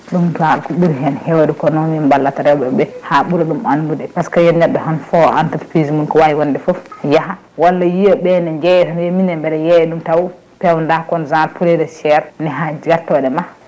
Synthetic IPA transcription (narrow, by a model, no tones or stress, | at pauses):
ɗumtalkuɓiɾɦɛnhɛwadukɔnɔmɛmbalːataɾɛwɔbɛbɛhaɓuɾaɗumanbudɛpaskajɛnnɛɗːɔɦanfɔa̰ntatpizimunkɔwajiwandɛfɔfjaɦa | walːajijɔɓɛnɛɲd͡ʒɛjɛhanjeminɛmbɛdɛjɛjɛɗumtaw | pɛwndakɔnzalpʰulɛdɛʃɛɾnɛɦad͡ʒɡaɾtɔɗɛma